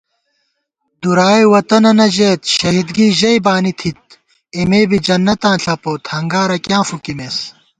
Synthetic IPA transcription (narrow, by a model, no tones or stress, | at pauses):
d̪uɾaːjwɐt̪ɐnɐnɐʑeːt̪ɕɐɦid̪ɡiːʑɐjbaːnit̪ʰit̪̚ | imeːbid͡ʑɐnːɐt̪ãːɬʰɐpoːt̪hɐŋɡaːɾɐkjãːfukimeːs